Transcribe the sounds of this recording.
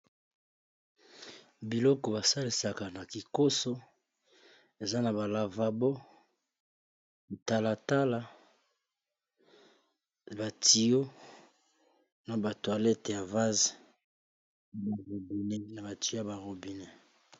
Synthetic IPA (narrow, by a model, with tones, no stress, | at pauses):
bi˨lɔ˦kɔ˨ba˨sa˦li˨sa˨ka˨na˨ki˨ko˦so˦ | e˨za˦na˨ba˨la˨va˨bɔ˦˨ | ta˦la˨ta˦la˦ | ba˨tʰi˨jo˦ | na˨ba˨twa˨lɛ˦tja˨va˦ze˨ | ba˨ʁo˨bi˨ne˦na˨ba˨ti˨˦a˦ba˨ʁo˨bi˨ne˦